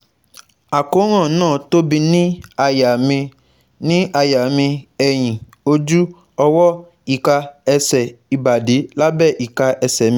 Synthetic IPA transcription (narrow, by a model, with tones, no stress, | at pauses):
a˨ko˨˦ɾ̃ã˦˨nãː˦˨to˦bi˧nĩ˦˨a˨˧ | nĩ˦a˧ja˨mĩ˧ɛ˨j̃ĩ˨ | o˧d͡ʒu˦ | ɔ˧wɔ˦ | i˨ka˧ɛ˧sɛ˨i˨ba˨de˨˦la˦bɛ˦˨ʔi˨ka˧ʔɛ˧sɛ˨mĩ˧